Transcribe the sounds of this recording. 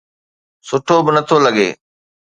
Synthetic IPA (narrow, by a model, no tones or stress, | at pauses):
sʊʈʰobɪnət̪ʰoːləɡḛː